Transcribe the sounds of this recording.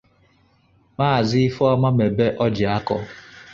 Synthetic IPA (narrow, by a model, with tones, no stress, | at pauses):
maː˦˨zɪ˦ɪ˦fɔ˦ma˦me˨be˦ʔɔ˦d͡ʒɪ˨a˦kɔ˦